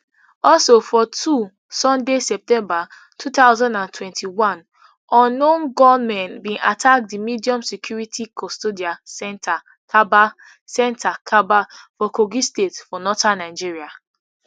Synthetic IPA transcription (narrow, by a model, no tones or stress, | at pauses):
ɔlsofɔtʰu | sɔ̃ndesɛp̚tɛ̃mba | tʰutaʊzãndãntʰwɛ̃ntʰiwãn | ʔɔ̃nːõnɡɔmɛ̃nbĩnʔatʰak̚dimidiɔ̃msɛkʰjuɹitʰikʰɔstodiasɛ̃ntʰa | kʰaba | sɛ̃ntʰakʰabafɔkoɡistetfɔnɔtãnːaɪd͡ʒiɹia